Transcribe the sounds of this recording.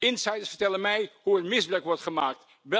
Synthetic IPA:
ɪnsɛjdəɹsfəɹtɛlənmɛjɦuətmɪzblɛkʋɔɹtχəmaːk̚t | ʋɛ

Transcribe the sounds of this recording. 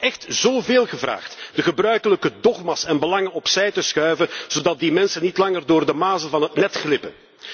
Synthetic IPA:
ʔɛxtz̥oːveːlˠɣəvra̰ːxtd̥əɣəbrœɥkələkədɔχmasɛnbəlɑŋənɔpsɛjtəsxœɥvəz̥odɑt̚dimɛnsənitlɑŋərdʊːrdəmaːzəvɑnɦətnɛtxlɪpə̰n

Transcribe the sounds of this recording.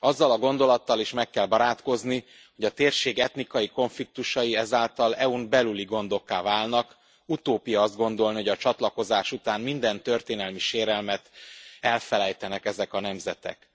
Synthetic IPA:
ɒzːɒlɒɡo̞n̪d̪o̞lɒt̪ːɒliʃmɛkːɛlbɒɾaːt̪ko̞zni | ho̞ɟɒt̪eːrʃeːɡɛt̪nikɒjiko̞ɱflik̚t̪uʃɒjiɛzaːlt̪ɒlɛunbɛlyliɡo̞nd̪o̞kːaːvaːlnɒk | ut̪oːpijɒɒzd̪̚ɡo̞nd̪o̞lniho̞ɟɒt͡ʃɒt̪lɒko̞zaːʃut̪aːnmind̪ɛnt̪ø̞rt̪eːnɛlmiʃeːɾɛlmɛt̪ɛlfɛlɛjt̪ɛnɛkɛzɛkɒnɛmzɛt̪ɛ̰k

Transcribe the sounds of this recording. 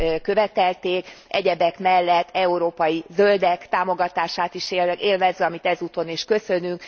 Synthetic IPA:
kø̞vɛt̪ɛlt̪eːkɛɟɛbɛkmɛlːɛt̪ʰːɛuɾoːpɒjizø̞ld̪ɛkt̪aːmo̞ɡɒt̪aːʃaːt̪iʃeeːlvɛzøɒmit̪ɛzuːt̪o̞niʃkø̞sø̞nyŋk

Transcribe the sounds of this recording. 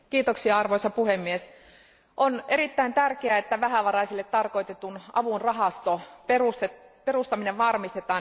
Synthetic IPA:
kiːt̪oksiɑɑrʋoisɑpuhemːies | ʔone̞ɾit̪ːæint̪ærkeæet̪ːæʋæhæʋɑrɑisilːet̪t̪ɑrko̞it̪et̪unɑ̰ʋunrɑɦɑst̪operust̪eperust̪ɑmineʋʋɑrmist̪et̪ɑːn

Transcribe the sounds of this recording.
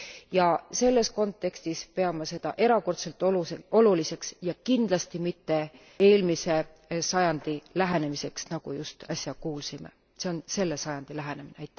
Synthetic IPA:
jɑse̞lːe̞sko̞nt̪ːˑe̞kst̪ispe̞ɑmɑse̞d̪̥ɑ̰ʔe̞ɾɑko̞rt̪se̞lt̪ːˑoo̞lulise̞ksjɑkind̪̥lɑst̪imit̪ːe̞ | e̞ːlmise̞ | sɑjɑnd̪̥ilæɦene̞mise̞ksnɑɡ̥ujust̪ɑsʲjɑkuːlsime̞̰ | se̞o̞nse̞lːe̞sɑjɑnd̪̥ilæɦe̞ne̞mineɑjt̪ːˑ

